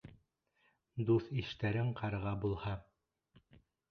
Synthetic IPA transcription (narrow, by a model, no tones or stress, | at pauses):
d̪uθiʃt̪æɾɘɴqʰɑɾɤ̆ʁɑbulˠhɑ